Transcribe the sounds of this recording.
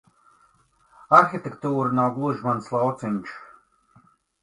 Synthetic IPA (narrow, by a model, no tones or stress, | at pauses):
aɾxʲit̪ʲekt̪uːɾɨnawɡlˠuʒmanslˠawt̪sɨnʲt͡ʃ